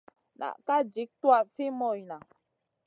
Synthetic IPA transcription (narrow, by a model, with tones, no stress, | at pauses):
na̰˨ʔka˦d͡ʒi˨˦k̚twa˦˨fi˦mɔ˦˨jna˨